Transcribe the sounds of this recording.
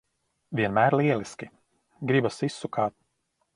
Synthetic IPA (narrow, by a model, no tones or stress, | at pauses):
vʲiɛnmæːɾliɛlˠiskʲi | ɡɾibasisːukʰaːt̪̚